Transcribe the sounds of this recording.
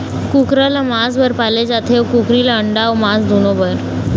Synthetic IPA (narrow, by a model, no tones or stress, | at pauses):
kukɾalamasbəɾpaled͡zat̪ʰeʋkukɾilaəɳɖawmasd̪ʱunobəɾ